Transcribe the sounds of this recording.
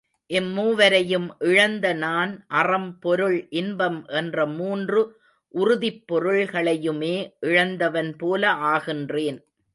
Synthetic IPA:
ʔɛmːuːʋɐɾɐjɯmʔɪɻɐnd̪ɐnaːnʔɐrɐmpɔɾɯɭʔɪnbɐmʔɛndrɐmuːndrɯ | ʔʊrʊðɪpːɔɾɯɭɣɐɭɐjɯmeːʔɪɻɐnd̪ɐʋɐnpoːlɐʔaːɣɪndreːn

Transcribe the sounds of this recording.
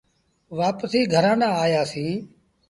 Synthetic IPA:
ʋaːpsiːɡʱəɾãːnãːaːjaːsiː

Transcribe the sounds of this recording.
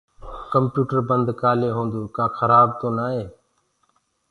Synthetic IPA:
kəmpjuːʈəɾbənd̪kaːleːɦõːnd̪oːkaːxʰəɾaːb̚t̪oːnaːɦeː

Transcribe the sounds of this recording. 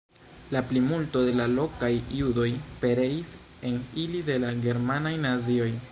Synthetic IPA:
laplimulto̞de̞lalo̞kajiudo̞jpe̞ɾe̞is | e̞nilide̞laɡe̞ɾmanajnazio̞j

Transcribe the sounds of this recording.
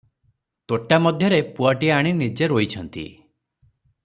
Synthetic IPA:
t̪oʈamɔd̪ʱjɔɾepuaʈiaɽ̃inid͡ʒeɾoit͡ʃʰɔnt̪ḭ

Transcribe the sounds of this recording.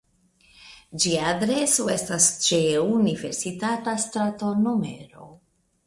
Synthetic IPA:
d͡ʒiaːdɾe̞soe̞stast͡ʃe̞unive̞ɾsitatastɾatono̞me̞̰ɾo̞̰

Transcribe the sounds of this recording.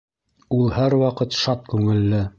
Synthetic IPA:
ulˠhæɾwɑqɤt̪ʃɑt̪̚kʉŋɘ̆lːɘ

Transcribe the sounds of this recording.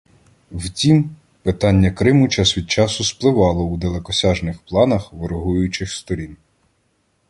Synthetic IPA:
wtʲim | pɪt̪ɑnʲːɐkɾɪmʊt͡ʃasʋʲid̪̚t͡ʃɑsʊsplˠɪʋɑlˠɔud̪elˠekɔsʲɑʒnɪxplˠɑnɐxʋɪɾɔɦujʊjʊt͡ʃɪxst̪ɔɾʲin

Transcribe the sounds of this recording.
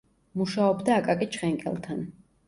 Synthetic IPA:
muʃaɔbd̪aːkʼakʼit͡ʃʰχɛŋkʼɛ̰lˠt̪ʰan

